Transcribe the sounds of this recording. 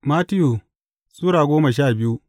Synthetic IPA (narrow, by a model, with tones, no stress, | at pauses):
maː˦tɪ˦ju˨ | sʼuː˦ɽaː˨ɡʷoː˦mɐ˨ʃ̬aː˦˨bɪ˦ju˦